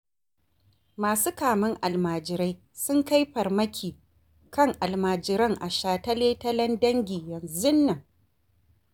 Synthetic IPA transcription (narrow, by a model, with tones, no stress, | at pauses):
maː˨su˦kaː˨mɪ˦ŋʔa˨lmaː˨d͡ʒɪ˨ɾa˦j | sʊ˦ŋka˦jɸɐ˨rmɐ˦kʲiː˨ | kɐ˦˨ŋʔa˨lmaː˨d͡ʒɪ˨ɾɐ˦ŋʔa˨ʃaː˨tɐ˦leː˦tɐ˦lɐ˦ndɐ˦ŋɡʲiː˨jɐ˨nzʊ˦nːɐ˨ŋ